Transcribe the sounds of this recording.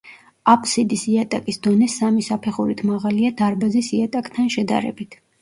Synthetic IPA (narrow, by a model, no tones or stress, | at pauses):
apʼʰsid̪isiat̪ʼakʼisd̪ɔnɛsamisapʰɛχuɾit̪ʰmaʁaliad̪aɾbazisiat̪ʼakʼt̪ʰanʃɛd̪a̰ɾɛ̰bit̪ʰ